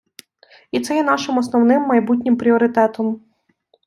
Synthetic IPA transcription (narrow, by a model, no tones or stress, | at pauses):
it̪sɛjɛn̪ɑʃɪmɔsnɔwnɪmːɐjbutʲnʲɪmpɾʲiɔɾɪt̪ɛt̪ɔm